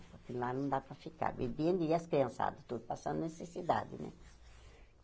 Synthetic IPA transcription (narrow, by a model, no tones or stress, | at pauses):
poɾkelanõnd̪apɾafika̰ɾbḭbjend̪iiaskɾiãnsa̰d̪ut̪ud̪pasãnd̪nesesid̪a̰d̪ḭnɛ̰